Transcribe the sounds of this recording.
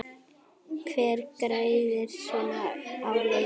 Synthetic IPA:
kʰvɛːɾkɾaːjðɪɾ̥sɔːnaawle

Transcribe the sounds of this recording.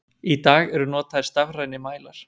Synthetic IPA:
it̪aːɣɛɾʏnɔːt̪aðɪɾst̪avraːjnɪmaːjlaɾ̥

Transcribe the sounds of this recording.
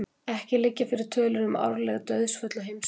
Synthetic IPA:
ɛhcɪlɪcːafɪɾɪɾ̥t̪ʰœːlʏnʏma̰wɾlɛɣt̪œɥðsfœt̪laɦejms

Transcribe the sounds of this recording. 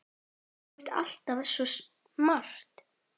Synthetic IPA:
ɾ̥t̪a̰l̥t̪avɛsɔs | mar̥t̪

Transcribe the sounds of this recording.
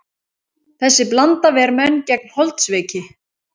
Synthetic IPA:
θɛsːɪplant̪avɛɾmœnːcɛk̚nhɔlt̪svɪːcɪ

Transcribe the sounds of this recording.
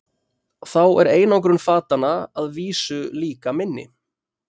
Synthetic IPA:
θawɛɾeːjnawk̬ɾʏnfaːt̪anːaaðviːsʏliːkamɪnːɪ̰

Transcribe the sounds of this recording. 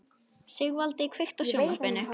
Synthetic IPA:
sɪɣvalt̪ɪikʰvɪxt̪asjownaspɛnːʏ

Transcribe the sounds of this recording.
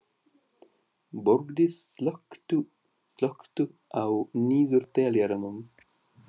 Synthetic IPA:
boɾɡd̪isləkt̪u | slɔkt̪uawniːzuɾt̪eljaɾɐmum

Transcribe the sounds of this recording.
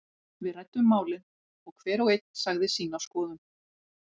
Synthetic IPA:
vɪðrɛjt̪ːʏmːaːwlɪn | ɔɣkʰvɛːɾɔɣejt̪̚n̥saɣðɪsiːnawskɔːðʏm

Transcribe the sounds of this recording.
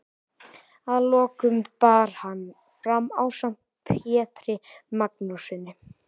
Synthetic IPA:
aðlɔːkʏmpaːɾ̥hanː | fɾamːawsam̥t̪̚ | pʰjɛːt̪ɾɪmaknusɪnːɪ

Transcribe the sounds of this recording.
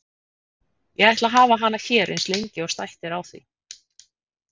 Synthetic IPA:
jɛɣajht̪laɦaːvaɦanːaçɛːɾʔḛnslejɲcɪɔɣst̪ajht̪ɪɾawθḭ

